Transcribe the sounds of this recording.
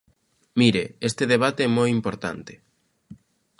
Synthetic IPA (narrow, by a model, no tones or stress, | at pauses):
miɾeest̪eðeβ̞at̪eɛmojimpoɾt̪a̰nt̪ɪ̥